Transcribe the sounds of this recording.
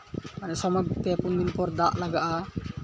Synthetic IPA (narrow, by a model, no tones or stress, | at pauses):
manɛsɔmɔjpɛpunminpɔɾd̪a̰ʔlaɡaʔa